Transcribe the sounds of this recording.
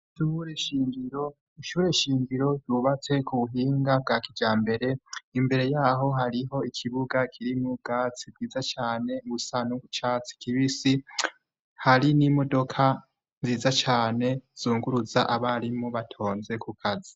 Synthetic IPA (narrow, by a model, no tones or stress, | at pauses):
ʃuɾeʃiːmɡiɾo̞ | iʃuːɾe̞ʃiːmɡiɾo̞uβat͡se̞kuβuɦiːŋɡab̚ɡaːkid͡ʒaːmbe̞ɾe̞imbe̞ɾe̞jaːɦo̞ɦaɾiɦo̞ikʰiβuɡakʰiɾimuɡ̥aːt͡sibɡiːzat͡ʃaːne̞ɡusaːnuɡut͡ʃat͡si̥kiβisi | haɾinimo̞do̞kʰa | nziːzat͡ʃaːne̞z̥uːŋɡuɾuza̰ʔaβaɾimuβatʰo̞ːnze̞kukʰazi